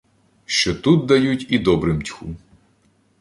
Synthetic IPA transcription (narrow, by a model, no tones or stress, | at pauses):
ʃt͡ʃɔt̪ut̪̚d̪ɐjutʲid̪ɔbɾɪmtʲxu